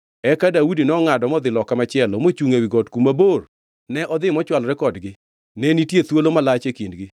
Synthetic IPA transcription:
ɛkadaudinɛɔŋadɔmɔd̪ɪlɔkamat͡ʃɪɛlɔmot͡ʃuŋewiɡɔtkumabor | nɛʔɔd̪ɪmɔt͡ʃwalɾɛkɔdɡɪ | nɛnitjet̪wolomalat͡ʃekindɡɪ

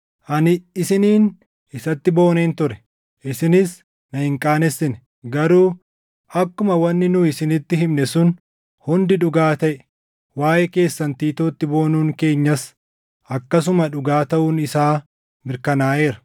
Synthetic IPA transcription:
ʔɐnɪɪsɪniːn | ɪsɐt̪ːɪbo̞ːneːnt̪ʊɾɛ̥ | ʔɪsɪnɪs | nɐhɪŋkʼaːnɛsːɪnɛ | ɡɐɾuː | ʔɐkːʊmɐwɐnːɪnʊɪsɪnɪt̪ːɪɦɪmnɛsʊn | hʊnd̪ɪᶑʊɡaːt̪ɐʔɛ | waːʔɛke̞ːsːɐnt̪iːt̪oːt̪ːɪbo̞ːnuːŋke̞ːɲːɐs | ɐkːɐs̬ʊmɐᶑʊɡaːt̪ɐʔuːnɪsaː | mɪɾkɐnaːʔe̞ːɾɐ̥

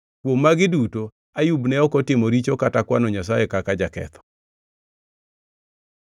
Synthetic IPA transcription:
kwomːaɡɪduto | ajubnɛɔkɔtɪmɔɾit͡ʃokatakwanɔɲas̬ajɛkakad͡ʒakɛ̰t̪ʰɔ̥

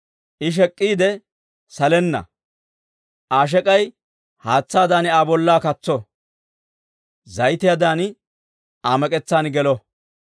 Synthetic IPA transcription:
ʔɪʃ̬ɛkʼːiːd̪ɛ | sɐlɛnːɐ̰ | ʔaːʃ̬ɛkʼɐj | haːt͡sːaːd̪aːnɪaːbɔlːaːkɐt͡sːɔ | zɐjt̪ɪjad̪aːn | ʔaːmɛkʼɛt͡sːaːnɡɛlɔ

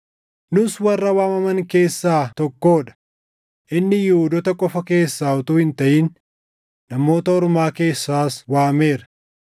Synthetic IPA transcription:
nʊswɐrːɐwaːmɐmɐŋke̞ːsːaːt̪ɔkːo̞ːᶑɐ̥ | ʔɪnːɪjɪhʊd̪ɔt̪ɐkʼɔfɐke̞ːsːaːɔt̪uːhɪnt̪ɐʔiːn | nɐmo̞ːt̪ɐɔɾmaːke̞ːsːaːswaːme̞ːɾɐ̥

